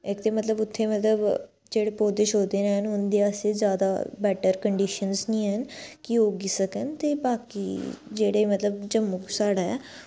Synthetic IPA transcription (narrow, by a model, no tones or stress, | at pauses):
ɪkt̪eːmət̪ləbʊt̪ʰːeːmət̪ləb | d͡ʒeːɽeːpoːd̪ɪʃoːd̪eːneɦənɦʊnd̪eːaseːzjaːd̪a̰ːbɛːʈəɾkəɳɖiːʃənznĩːɦənkɪoːɡisəkənt̪eːbaːkḭːd͡ʒeːɽeːmət̪ləbd͡ʒəmːʊksaːɽaːɛ̰